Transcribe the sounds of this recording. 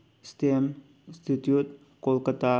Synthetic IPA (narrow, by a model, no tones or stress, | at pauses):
st̪em | st̪ʰit̪jut̪̚ | kolkət̪a